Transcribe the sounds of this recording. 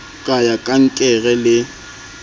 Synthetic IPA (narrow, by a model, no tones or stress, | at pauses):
kʼajakʼaŋ̩kʼɛɣɛlɪ